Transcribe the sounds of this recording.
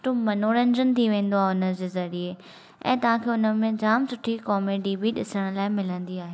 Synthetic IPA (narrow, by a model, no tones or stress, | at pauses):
ʈomɐnoːɾə̃ɲd͡ʑənt̪ʰiʋẽːn̆d̪oaːɦʊnə̆d͡ʑeːzɐɾie | ɛ̰̃ːt̪ɐʋ̤ãːkʰeːʊnə̆mẽd͡ʑaːmsʊʈʰikɔːmeɖiːbiɗɪsəɽ̃laːɪmɪlə̃nd̪iaːɦeː